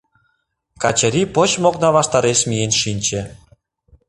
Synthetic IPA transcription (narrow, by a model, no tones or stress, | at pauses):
kɑt͡ɕə̆ɾʲipot͡ɕmoknɑβɑʃt̪ɑɾeʃmijenʃinʲt͡ɕĕ